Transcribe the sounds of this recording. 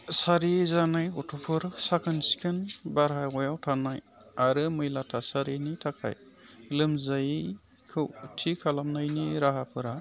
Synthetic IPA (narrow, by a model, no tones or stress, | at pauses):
saɾizanajɡɔtʰɔpʰɯɾsakʰɯnsi̥kʰɯnbaɾɦajɡɔjawtʰanaj | aɾɯmɯjlatʰasaɾinitʰakʰa̰j | lɯmzaj | kʰɯwtʰikʰalamnajniɾaɦapʰɯɾa